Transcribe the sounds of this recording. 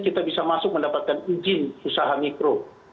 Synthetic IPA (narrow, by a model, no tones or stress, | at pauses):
kit̪abisamasʊk̚məndapat̪̚kanid͡ʒɪnusaɦamikɾo